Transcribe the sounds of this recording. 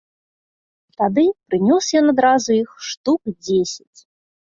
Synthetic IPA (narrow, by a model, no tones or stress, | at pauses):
t̪ad̪ɨpɾɨnʲɔsjɔnad̪ɾazuixʂt̪ukd͡zʲesʲat͡sʲ